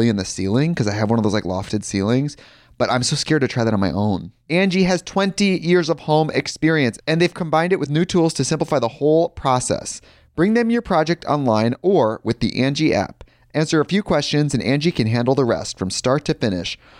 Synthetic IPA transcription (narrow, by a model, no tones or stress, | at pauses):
iɨ̃nðɨsḭlˠɪ̃ŋkʰʌzaɪɨvwʌ̃nʌvðoʊzlaɪklɔ̰ftɨd̥silˠɪ̃ŋz̥ | b̥ʌɾʔã̰ɪ̃msoʊskɛɹd̚ɨtʰɹ̥aɪðɨɾ̃nmaɪʔõʊ̃n | æ̃nd͡ʒiɨz̥tʰw̥ɛ̃ntijɪɹzʌv̥hõʊ̃mʔɪkspɪɹiɨ̃nsɨ̃nðeɪv̥kʰə̃mbãɪ̃ndɨʔ̚wɨðnʉtʰulˠz̥tʰɨsɪ̃mpləfaɪðəhoʊlˠpʰɹ̥ɑsɛ̰s | b̥ɹɪ̃ŋðɨ̃mjə˞pʰɹ̥ɑd͡ʒɛk̚tʰɑ̰̃nlãɪ̃nə˞wʔɨðḭʔæ̃nd͡ʒiʔæ̰p | ʔæ̃nsə˞ɨfjʉkʰw̥ɛst͡ʃɨ̃nzɨ̃næ̃nd͡ʒikʰɨ̃nɦæ̃ndl̩ˠðəɹɛ̰stfɹʌ̃mstɑɹtʰɨfɪ̃nɪ̰ʃ